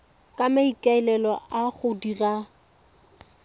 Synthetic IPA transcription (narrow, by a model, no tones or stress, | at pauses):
kʼamaikʼaɪlɛlɔʔaχʊdira